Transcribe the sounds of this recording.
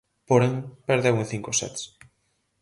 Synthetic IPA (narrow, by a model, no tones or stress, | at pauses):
poɾeŋpeɾðewẽnθiŋkosɛ̰t̪s